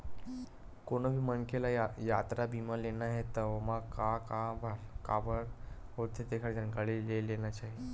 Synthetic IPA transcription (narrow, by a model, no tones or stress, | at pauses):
konəbʱiːmənkelajat̪ɾabʱiməlenaɦet̪əəmakakabʱaɾkabəɾɦoɾt̪ʰet̪ekʰaɽd͡ʑ̪ənkaɭeːeleñat͡ɕaɦi